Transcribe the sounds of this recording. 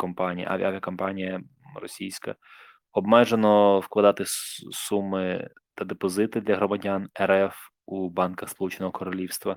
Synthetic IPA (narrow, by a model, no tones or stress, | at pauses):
kɔmpɑnʲijɐ̰ʔa̰ʋʲia̰ʋʲijɐkɔmpɑnʲijɐ | rɔ̰sʲijsʲkɐ̰ | ɔbmɛʒenɔwklˠɐd̪ɑt̪ɪsumɪ | t̪ɐd̪epɔzɪt̪ɪd̪lʲɐɦɾɔmɐdʲanɛɾɛf | ubɑnkɐxspɔlˠut͡ʃenɔɦɔkɔɾɔlʲiwst̪ʋɐ